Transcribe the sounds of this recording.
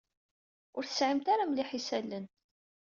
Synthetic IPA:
ʊɾθə̥sʕəmt̪aɾamliħisælːən

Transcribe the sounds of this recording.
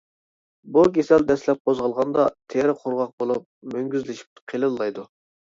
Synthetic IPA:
buɡʲesɛld̪ɛslɛp̚qʰozʁəlˠʁɑnd̪ɑt̪ʰeɾqʰoɾʁɑq̚bolˠup̚møŋɡʲyzlɪʃi̥p̚qʰelˠɨlːˠɑjd̪u

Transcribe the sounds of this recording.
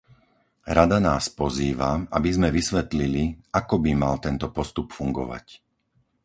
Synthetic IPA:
ɾad̪anaːspɔziːʋa̰abizmɛʋisʋɛt̪liliakɔbimalt̪ɛnt̪ɔpɔst̪upfuŋɡɔ̰ʋa̰c

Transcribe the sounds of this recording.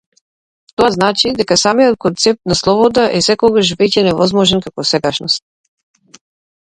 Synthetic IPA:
t̪oaznat͡ʃid̪ɛkasamijɔt̪̚kɔnt̪sɛp̚t̪naslˠɔbɔd̪aʔɛsɛkɔɡaʃ̬vɛcɛnɛvɔzmɔʒɛnkakɔsɛɡaʃnɔst̪̚

